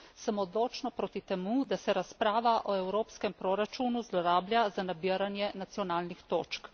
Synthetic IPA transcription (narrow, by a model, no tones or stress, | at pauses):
səmɔd̪loːt͡ʃnɔpɾoːt̪it̪ɛmud̪asɛɾaspɾaːʋaʔɔɛwɾoːpskɛmpɾoːɾat͡ʃuːnuzlɔɾaːbljazanabiəɾanjɛnat̪sjɔnaːlnixt̪oːt͡ʃk